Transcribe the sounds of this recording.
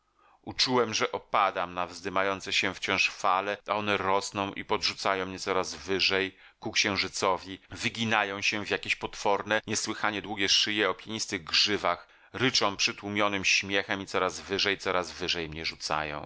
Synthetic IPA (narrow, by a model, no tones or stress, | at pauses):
ut͡ʂuwɛmʐɛʔɔpad̪amnavzd̪ɘmajɔnt̪sɛɕɛft͡ɕɔ̃w̃ʂfalɛaɔnɛɾɔsnɔ̃w̃ʔḭpɔdʐut̪sajɔ̃w̃mɲɛt̪sɔɾazvɘʐɛj | kukɕɛ̃w̃ʐɘt̪sɔvʲivɘɡʲinajɔ̃w̃ɕɛvʲjakʲeɕpɔt̪fɔɾnɛɲɛswɘxaɲɛd̪wuɡʲjɛʂɘjɛɔpʲjeɲist̪ɘɣɡʐɘvax | ɾɘt͡ʂɔ̃w̃pʂɘt̪wumʲjɔnɘmɕmʲjɛxɛmit̪sɔɾazvɘʐɛjt̪sɔɾazvɘʐɛjmɲɛʐut̪sa̰jɔ̰̃w̃